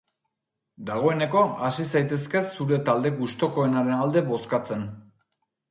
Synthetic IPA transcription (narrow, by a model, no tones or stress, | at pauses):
d̪aɣ̞o̞e̞ne̞ko̞asisajt̪e̞ske̞suɾe̞t̪ald̪e̞ɡust̪o̞ko̞enaɾe̞nald̪e̞βo̞skat͡se̞n